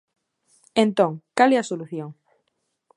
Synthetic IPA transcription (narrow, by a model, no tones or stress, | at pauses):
ẽnt̪õŋkaleasoluθjoŋ